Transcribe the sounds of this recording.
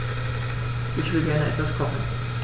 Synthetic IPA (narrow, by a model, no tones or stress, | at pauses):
ʔɪçv̥ɪlɡɛɐnəʔɛ̰tv̥askʰɔmn̩